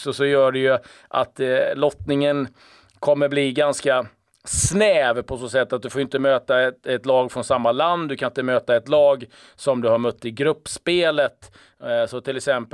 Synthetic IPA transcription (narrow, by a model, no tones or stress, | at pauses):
sɔsɔjœːɖɛjɵ | ʔa̰t̪lɔt̪nɪŋən | kʰɔmːəɾbliɡanska | snɛːvpʰɔsoːsɛt̪ːat̪̚d̪ɵfoːɾjʏnt̪əmøːt̪aɛt̪ɛt̪lɑːɡfɾɔnsamːaland̪d̪ɵkʰanɪnt̪əmøːt̪aɛt̪lɑːɡ | sɔmd̪ɵhaɾmɵt̪ːɪɡɾɵpːspeːlət̪ | sɔt̪ʰɪlɛksɛmp